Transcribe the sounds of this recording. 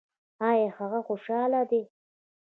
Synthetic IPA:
ɑjehaɣaxoʃɑːlad̪e

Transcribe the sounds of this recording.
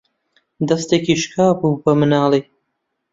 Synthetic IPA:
d̪ɐst̪eːkiːʃkʰaːbuːbɐmɨnɑːlˠij

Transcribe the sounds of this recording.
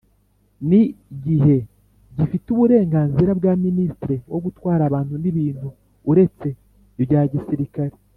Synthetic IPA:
niɟiɦe̞ | ɟifituβuɾe̞ːŋɡaːnziɾabɡaːministiɾewo̞ɡutwaːɾaːβaːntuniβiːnhuː | ɾe̞t͡se̞ | bɟaːɟisiɾikaɾe

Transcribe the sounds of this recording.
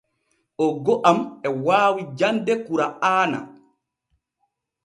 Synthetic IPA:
ʔɔɡɔʔamɛwaːwid͡ʒandɛkuɾaaːna̰

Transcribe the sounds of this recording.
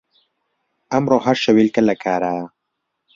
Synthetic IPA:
amɾoːɦaɾʃawilkɐlɐkʰaːɾa

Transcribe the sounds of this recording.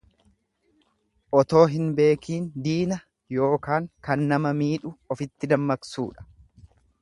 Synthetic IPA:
ʔɔt̪o̞ːɦɪnbe̞ːkʰiːnd̪iːnɐ | jo̞ːkaːŋkɐnːɐmɐmiːᶑʊɔfɪt̪ːɪd̪ɐmːɐksṵːᶑɐ̥

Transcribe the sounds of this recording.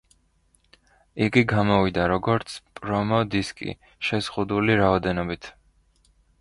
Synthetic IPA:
iɡiɡamɔvid̪aɾɔɡɔɾt̪sʰpʼɾɔmɔd̪iskʼḭ | ʃɛz̥ʁud̪uliɾaɔd̪ɛnɔbit̪ʰ

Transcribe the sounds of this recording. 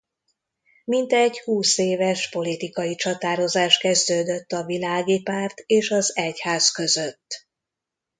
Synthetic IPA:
mint̪ɛɟhuːseːvɛʃpo̞lit̪ikɒjit͡ʃɒt̪aːɾo̞zaːʃkɛzd̪øːd̪øt̪ːɒvilaːɡipaːrt̪eːʃɒzɛchaːzkø̞zøt̪ː

